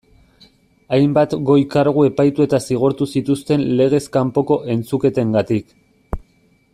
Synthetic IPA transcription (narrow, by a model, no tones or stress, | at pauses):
ajmbat̪ɡo̞jkaɾɣ̞ue̞pajt̪ue̞t̪asiɣ̞oɾt̪usit̪ust̪e̞nle̞ɣ̞e̞skampo̞ko̞ʔe̞nt͡suke̞t̪e̞ŋɡat̪ik